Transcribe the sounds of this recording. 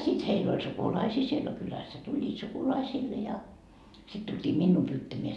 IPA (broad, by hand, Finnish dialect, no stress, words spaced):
sit heil olʲ sukulɑisiː siel no kylæsːæ tulʲːiːt sukulɑisiːlːe jɑ sit tultʲiː minːuː pyːtːæmeæ